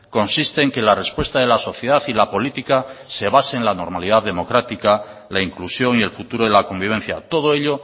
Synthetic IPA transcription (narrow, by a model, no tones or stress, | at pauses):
ko̞nsist̪eːŋke̞lare̞spwe̞st̪aðe̞laso̞θjeðaθilapo̞lit̪ikase̞β̞aseːnlano̞ɾmalið̞aððe̞mo̞kɾat̪ikalaiŋklusjo̞ŋie̞lfut̪uɾo̞ðelako̞mbiβ̞e̞n̟θja̰t̪o̞ð̞oeʎo